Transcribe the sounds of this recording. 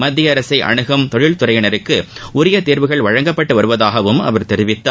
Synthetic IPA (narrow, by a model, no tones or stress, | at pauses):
mɐd̪ːɪjɐɐɾɐsɐɪʔɐ̰ɳɯɣɐmt̪ɔɻɪɭt̪ʊɾɐjɐnɐɾɯkːɯʊɾɪjɐt̪eːɾʋɯɣɐɭʋɐɻɐŋɡɐpːɐʈːɯʋɐɾɯʋɐðaːɣɐʋɯmɐ̰ʋɐɾt̪ɛɾɪʋɪt̪ːaː